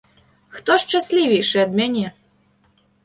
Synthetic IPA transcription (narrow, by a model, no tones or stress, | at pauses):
xt̪ɔʂt͡ʃasʲlʲivʲejʂɛɐd̪mʲanʲɛ